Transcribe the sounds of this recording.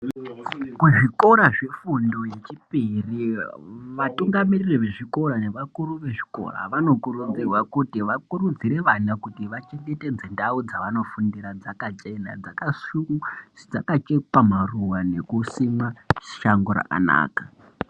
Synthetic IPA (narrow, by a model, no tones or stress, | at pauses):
kweʐiko̞ɾaʐe̞fundo̞je̞t͡ʃipiri | ʋatuŋɡamiririʋe̞ʐiko̞ɾane̞ʋakuɾuʋe̞ʐi̥ko̞̰ra̰ʋano̞kuɾud͡zirwakutiʋakuɾud͡ziɾeʋanakutiʋat͡ʃe̞ŋɡe̞te̞d͡zendaud͡zaʋano̞fundiɾad͡zakat͡ʃe̞na̰d͡zakasukuid͡zakat͡ʃepamaruwane̞kusimaʃaŋɡoɾa̰ka̰na̰ːkḁ